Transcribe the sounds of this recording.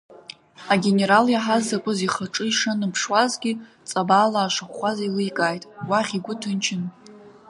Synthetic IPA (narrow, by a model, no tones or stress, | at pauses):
aɡʲe̞ne̞ɾaljaħazakʷʼʊziχaʈ͡ʂʼɨiʂanɨpʰʂwazɡʲi | t͡sʼabaːlaːʃaχʷazailɨjkʼajtʼwaχʲiɡʷʊtʰɨnt͡ʃʰɪn